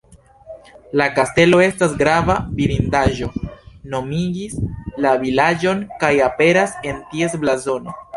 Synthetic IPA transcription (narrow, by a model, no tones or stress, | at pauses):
lakaste̞lo̞e̞stasɡɾavabiɾindaʒo̞no̞miɡislavilad͡ʒo̞nkajape̞ɾase̞ntie̞sblazo̞no̞